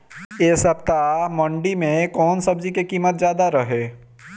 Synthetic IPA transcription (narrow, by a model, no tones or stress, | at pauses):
eːsəp̚t̪amɔ̃ɳɖimẽkɔːnsəbd͡ʒikekiːmət̪̚zjaːd̪aɾəɦeː